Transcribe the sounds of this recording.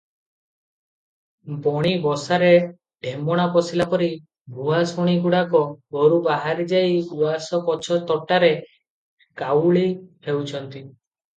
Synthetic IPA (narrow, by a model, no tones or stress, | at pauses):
bɔɽ̃ibɔsaɾe | ɖʱemɔɽ̃apɔsilapɔɾi | bʱuasuɽ̃iɡuɽakɔɡɔɾubaɦaɾid͡ʒajuasɔpɔt͡ʃʰɔt̪ɔʈaɾe | kawɭipewt͡ʃʰɔnt̪i